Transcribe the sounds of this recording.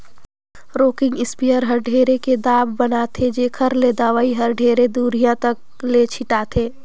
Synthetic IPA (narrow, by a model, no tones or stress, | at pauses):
ɾoːkɪ̃ŋɡɪspijəɾɦɐɾɖʱeːɾeked̪aːbːɐnat̪ʰed͡ʒeːkʰəɾled̪aːʋaːiɦɐɾɖʱeːɾed̪uːɾijãt̪ək̚ | let͡ʃʰɪʈaːt̪ʰeː